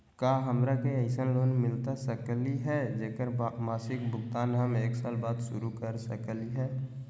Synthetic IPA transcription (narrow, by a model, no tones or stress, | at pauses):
kaːɦəmɾakeəɪsənloːnmɪlt̪asəkliɦɛd͡ʒeːkəɾmaːsɪkbʊɡt̪aːnɦəmeːksaːlbaːd̪sʊɾukəɾsəkliɦɛː